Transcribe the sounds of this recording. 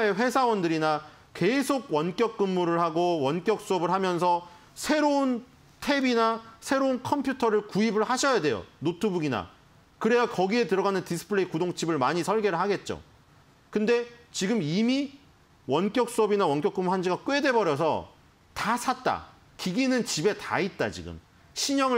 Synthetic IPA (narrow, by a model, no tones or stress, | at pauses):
aeɸwe̞sʰawʌndɯɾina | ke̞sʰoɡ̚wʌnk͈jʌk̚k͈ɯmːuɾɯɭhaɡowʌnk͈jʌk̚s͈uʌbɯɭɦamjʌnsʰʌ | sʰe̞ɾoun | tʰe̞binasʰe̞ɾounkʰʌmpʰjutʰʌɾɯɭkuibɯɭhaɕʰʌjade̞jo̰notʰɯbuɡina̰ | kɯɾe̞jakʌɡie̞tɯɾʌɣanɯntisʰɯ̥pʰɯɾeikudoŋt͡ɕʰibɯɭmaɲisʰʌɭɡe̞ɾɯɭɦaɡe̞t̚t͡ɕ͈o̰ | kɯnde̞t͡ɕiɡɯmimi | wʌnk͈jʌk̚s͈uʌbinawʌnkjʌk͈ɯmːuɦand͡ʑiɡak͈we̞de̞bʌɾjʌs̬ʰʌ̰ | tasʰat̚t͈a̰ | kiɡinɯnt͡ɕibe̞ta̰it̚t͈a̰t͡ɕḭɡɯ̰m | ɕʰiɲʌŋɯ